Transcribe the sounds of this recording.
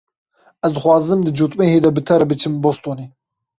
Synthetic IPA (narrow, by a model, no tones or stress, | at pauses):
ɛzd̪ɨxwɑːzɨmd̪ɨd͡ʒut̪ʼmeːheːd̪ɛbɨt̪ʰɛɾɛbɨt͡ʃʰɨmbost̪oːneː